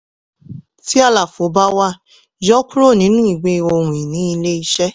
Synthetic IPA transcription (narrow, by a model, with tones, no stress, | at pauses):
ti˦a˧la˨fo˨˦ba˦wa˦ | d͡ʒɔ˦ku˦ɾo˦˨nĩ˨˦nũ˦i˨ɡ͡be˧o˧hũ˨i˨nĩ˨˦i˧le˦i˧ʃɛ˦